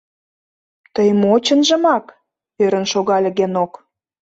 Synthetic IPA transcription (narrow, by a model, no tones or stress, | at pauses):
t̪əjmot͡ɕə̆nʒə̆mɑk | øɾə̆nʃoɣɑlʲə̆ɣenok